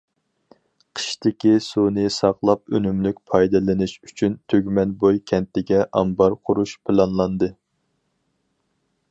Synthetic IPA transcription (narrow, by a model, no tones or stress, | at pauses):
qʰə̥ʃt̪ɪkʲisunɨsɑqlˠɑp̚ønymlykʲpʰɑjd̪ɨlɪnɪʃyt͡ʃʰynt̪ʰøɡʲmɛnbojkʲʰɛnt̪ɪɡʲɛʔɑmbɑɾqʰʊɾuʃpʰɨlˠɑnlˠɑnd̪ɨ